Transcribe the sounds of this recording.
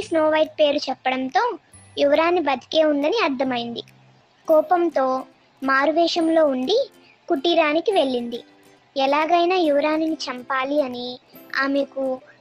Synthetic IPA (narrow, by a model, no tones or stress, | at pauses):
sno̞ːʋɐjʈ̚pe̞ːɾut͡ʃɛpːɐɽɐnt̪o̞ː | juʋɐɾaːnːibɐd̪i̥ke̞ːund̪ɐniɐɾd̪ʱɐmɐjind̪i | kɔːpɐmt̪o̞ː | maːɾuʋɛːʂɐmlo̞ːuɳɖi | kuʈːiɾaːnikiʋe̞ɭːind̪i | ɛlaːɡɐjnaːjuʋɐɾaːninit͡ʃɐmpaːliɐnia̰ːmeku